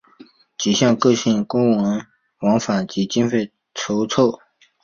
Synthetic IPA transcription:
t͡ɕi˨˩ɕjɑ˥˧ŋkɤ˥˧ɕi˥˩ŋkʊ˥ŋwə˧˥n | wɑ˧˥ŋfa˨˩nt͡ɕi˧˥t͡ɕi˥nfe˥˩ɪ | ʈ͡ʂʰo˧˥ʊt͡sʰo˥˩ʊ

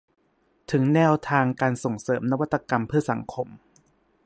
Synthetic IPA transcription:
t̪ʰɯ˩˦ŋnɛː˧˥˩wt̪ʰaː˧ŋkaː˧nso˨˩ŋsɤː˩˦mna˦˧wa˦˥t̪ːa˧ka˧mpʰɯ˥˩ɐsa˩˦ŋkʰo˧m

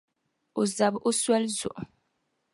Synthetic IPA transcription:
o˨za˨bo˦swɛ˦lzɔ̰˨ʔ

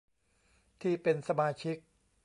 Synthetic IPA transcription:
t̪ʰiː˥˩pe˧nsa˧maː˧t͡ɕʰi˦˥k̚

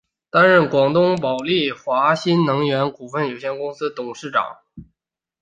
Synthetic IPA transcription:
t̪a˥nɻə˥˩nkwɑ˨˩ŋt̪ʊ˥ŋpɑ˨˩ʊli˥˩xwa˧˥ɕi˥nnɤ˧˥ŋɥɛ˧˥nku˨˩fə˥˩njo˨˩ʊɕjɛ˥˧nkʊ˥ŋsɹ̩˥t̪ʊ˨˩ŋʂɻ̩˥˩ʈ͡ʂɑ̰˨˩˦ŋ

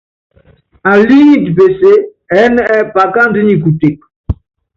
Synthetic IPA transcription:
a˨li˦ŋi˦ti˨pe˨se˦ | ɛ˨˦nɛ˦ɛ˦pa˨ka˦n˦di˦ɲi˨ku˨te˨k̚

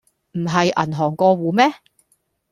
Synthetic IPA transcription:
m̩˨˩ɦɐ˨jɐ̰˨˩nɦɔː˨˩ŋkɔː˧wuː˨˧mɛː˥

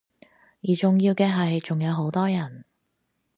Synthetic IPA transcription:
jiː˨˩t͡sʊ˨ŋjiː˧wkɛː˧ɦɐ˨jt͡sʊ˨ŋjɐ˨˧wɦo˨˥wt̪ɔː˥jɐ˨˩n

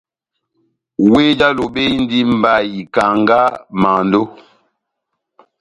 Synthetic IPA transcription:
we˦d͡ʒa˦lo˨ɓe˦i˦n˦di˦m̩˨ba˦˨ji˨ka˨ŋɡa˦ma˨ndo˦

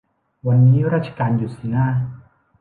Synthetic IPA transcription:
wa˧nːiː˦˥ɾaː˥˩t̪̚t͡ɕʰḁ˧kaː˧njuː˨˩si˨˩˦naː˥˩

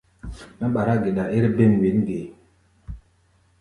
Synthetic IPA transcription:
ma˦ɓa˨ɾa˦ɡe˨ɗa˨e˦ɾbe˦˨m˨we˨˦nɡe˨

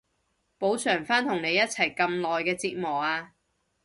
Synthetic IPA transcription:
po˨˥wt͡sʰœː˨˩ŋfaː˥nt̪ʰʊ˨˩ŋne˨˧jɐ˥t̚t͡sʰɐ˨˩jkɐ˧mlɔː˨jkɛː˧t͡siː˧t̚mɔː˨˩aː˧

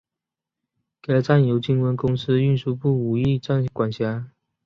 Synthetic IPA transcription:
ke˨˩lə˦t͡sa˥˩njo˧˥ʊt͡ɕi˥ŋwə˧˥nkʊ˥ŋsɹ̩˥y˥˧nʂu˥˧pu˥˩u˨˩i˥˧t͡sa˥˩nkwa˨˩nɕja˧˥˦

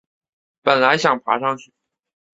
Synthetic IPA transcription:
pə˨˩nla˧˥ɪɕjɑ˨˩ŋpʰa̰˧˥ʂɑ˥˧ŋt͡ɕʰy˥˩

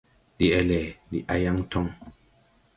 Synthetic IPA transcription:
di˨ɛ˨lɛ˨dḭ˨ʔa˦ja˦ŋtʰɔ˦ŋ

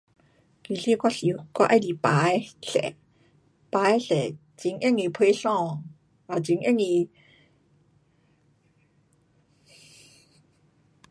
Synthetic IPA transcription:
ki˨ɬi˦˨kʷa˦˧ɬi˨kʷa̰˦ʔa˦di˨pa˨˦jɬɛ̰˨ | pa˨˦jɬɛ˨ | t͡si˨˦ŋʔe˥˨ŋi˧˨pʰe˧˦ɬɔ̃˦˧˨ŋ | a˨t͡si˨˦ŋʔe˥˨ŋi˧

